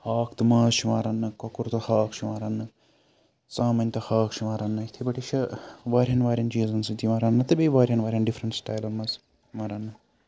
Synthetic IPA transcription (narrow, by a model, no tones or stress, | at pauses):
haːkʰt̪ɨmaːsʃimaːɾɐnːɨkɔkuɾt̪ɐhaːkʃiʋaːɾɐnːɨ | t͡saːmɐnʲt̪ɐhaːkʃimaːɾɐnːɐt̪ʰibɐʈiʃɐʋaːɾʲɦɐnʋaːɾʲjɐnt͡ʃiːzɐnsɨt̪iʋaːɾɐnːɐt̪ɐbeːʋaːɾʲjɐnʋaːɾʲjɐnɖifʰɾɐɳʈsʈaːjlɐnmɐs | maːɾɐnːɨ